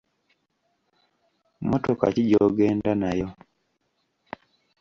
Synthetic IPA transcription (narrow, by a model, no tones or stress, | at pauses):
motoka̰ciɟoɡeːndanajo